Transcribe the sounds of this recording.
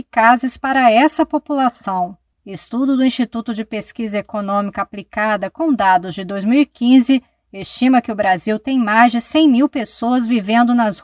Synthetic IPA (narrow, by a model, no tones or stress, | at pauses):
kazɪspaɾɐɛsɐpopulasɐ̃w̃ | ɪst̪ud̪ʊd̪ʊĩst͡ʃit̪ut̪ʊd͡ʒɪpeskizɐekonõmikɐaplikad̪ɐkõd̪ad̪ʊzd͡ʒɪd̪ojzmiwikĩzɪ | est͡ʃĩmɐkɪʊbɾaziwt̪ẽj̃majzd͡ʒɪsẽj̃miwpesoɐzvivẽnd̪ʊnɐz